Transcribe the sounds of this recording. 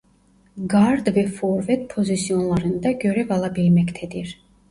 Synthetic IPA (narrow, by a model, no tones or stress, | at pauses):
ɡaɾd̪vɛfɔɾvɛt̪̚pʰɔzisiɔnlˠɑɾɯnd̪ɑɡøɾɛvɑlˠɑbɛɾmɛkʰt̪ʰɛd̪iɾ